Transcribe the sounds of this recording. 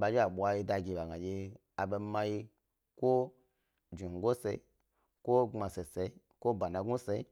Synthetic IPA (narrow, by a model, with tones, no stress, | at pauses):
ɓa˧d͡ʒe˦a˨ɓʷa˧ji˧da˧ɡi˧˨ɓa˨ɡa˨d͡ʒe˧ | a˨be˧ma˧ji˧ | kʷo˦ | d͡ʒi˨ŋ˨ɡo˦se˧i˦ | ko˦ŋ͡ma˧se˨se˧i˦ | ko˦ba˨na˧ɡu˦se˧i˦